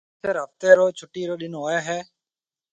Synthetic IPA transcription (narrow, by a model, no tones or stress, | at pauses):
seːɾəpt̪eːɾoːt͡ʃʰʊʈːiːɾoːɗɪnoːɦoːeːɦɛː